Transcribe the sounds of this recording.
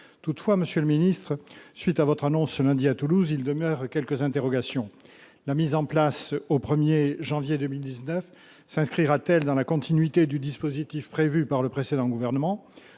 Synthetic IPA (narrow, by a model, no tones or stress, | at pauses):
t̪ut̪fwaməsjøləminist̪χəsɥit̪avɔt̪χanɔ̃sːəlɛ̃d̪iat̪uluzild̪əmœʁkʲɛlkəzɛ̃t̪eʁɔɡasjɔ̃ | lamizɑ̃plasopχəmjeʒɑ̃vjed̪əmild̪iznœf | sɛ̃skχiʁat̪ɛld̪ɑ̃lakɔ̃t̪inɥit̪ed̪yd̪ispozit̪ifpχevypaʁləpχesed̪ɑ̃ɡuvɛʁnəmɑ̃